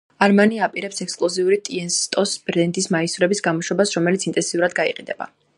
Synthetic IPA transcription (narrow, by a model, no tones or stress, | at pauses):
aɾmaniapʼiɾɛpsɛkskʼlˠɔziuɾit̪ʼiɛnst̪ʼɔsbɾɛnt̪ʼismaisuɾɛbisɡamɔʃwɛbasɾɔmɛlit̪sint̪ʼɛnsiuɾad̪ɡaiqʼid̪ɛba̰